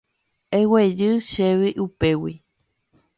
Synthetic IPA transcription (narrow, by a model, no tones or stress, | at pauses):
ewed͡ʒɨʃeβiʔupewi